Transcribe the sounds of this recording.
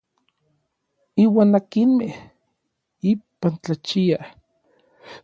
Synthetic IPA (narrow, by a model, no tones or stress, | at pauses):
iːwaːnakinmeh | ipant͡ɬat͡ʃia